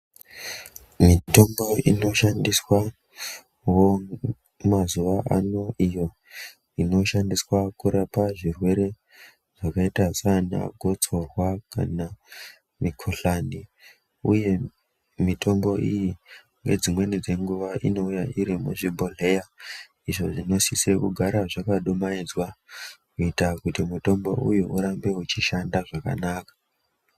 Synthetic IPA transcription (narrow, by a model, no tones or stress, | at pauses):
mito̞mbo̞ino̞ʃandiswa | wo | mazuʋaʔano̞ijo̞ | ino̞ʃandiswakuɾapaʐirwe̞ɾe̞ | ʐ̥akaitasana̰ɡʱo̞t͡so̞rwaka̰na | mikʰoɬani | uje̞ | mitʰo̞mbo̞ʔiji | ŋɡed͡zimwe̞nid͡ze̞ŋɡuʋaʔino̞ujaʔiɾimṵʐibʱoɮe̞ja | iʐo̞ʐino̞sise̞kuɡʱaɾaʐakaɗomaid͡zwakuitakutimuto̞mbo̞̰ʔujuʔuɾambe̞ut͡ʃiʃandaʐaka̰naːkḁ